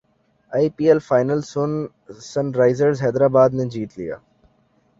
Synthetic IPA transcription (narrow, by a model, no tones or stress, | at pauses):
aːipiːelfaːɪnəlson | sɐnɾaːɪzəɾzɦɛːd̪ɾaːbaːd̪nẽd͡ʒiːt̪lḭja̰ː